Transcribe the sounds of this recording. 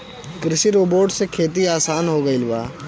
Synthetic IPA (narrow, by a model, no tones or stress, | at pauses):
kɾɪsiɾoːboːʈsekʰeːt̪iaːsaːnɦoːɡɐɪlba̰ː